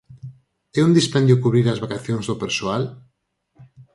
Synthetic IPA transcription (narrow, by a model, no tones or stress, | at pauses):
ɛund̪ispɛnd̪jokuβɾiɾazβakaθjoŋzðopeɾsoal